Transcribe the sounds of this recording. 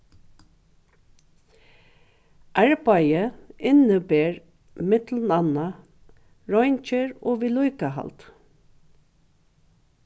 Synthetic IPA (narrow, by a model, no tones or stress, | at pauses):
ʔæɹbɑjəɪnəbeːɹ | mɪt̪l̩nɑna | ɹɔʏnt͡ʃəɹoːʋiːlujkaɦɑ̰lt̪